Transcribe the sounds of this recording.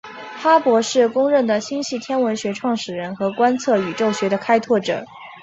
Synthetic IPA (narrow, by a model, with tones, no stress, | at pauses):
fa˥pwɔ˧˥ʂɻ̩˥˩kʊ˥ŋɻə˥˩nd̪ə˩ɕi˥nɕi˥˩t̪ʰjɛ˥nwə˧˥nɕɥɛ˧˥ʈ͡ʂʰwɑ˥˩ŋʂɻ̩˨˩ɻə˧˥nxɤ˧˥kwa˥nt͡sʰɤ˥˩y˨˩ʈ͡ʂo˥˩ʊɕɥɛ˧˥d̪ə˧kʰa˥ɪt̪ʰwɔ˥˩ʈ͡ʂɤ̰˨˩˦